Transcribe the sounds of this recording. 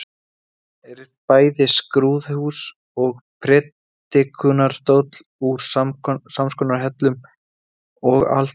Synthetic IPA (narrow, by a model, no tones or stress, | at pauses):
ɛɾɪɾpaːjðɪskɾuːðhuːs | ɔɣpʰɾɛt̪ː | ɪkʰʏnaɾt̪oːwt̪l̥uɾ̥amsamskɔnaɾ̥ɦɛt̪lʏm | ɔɣa̰l̥t̪